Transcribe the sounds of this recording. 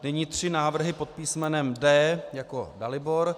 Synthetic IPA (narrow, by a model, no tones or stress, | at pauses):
nɛɲiːt̪r̝̥ɪnaːvr̩ɦɪpo̞t̪̚piːsmɛnɛmdɛːjako̞̰dalɪbo̞ɾ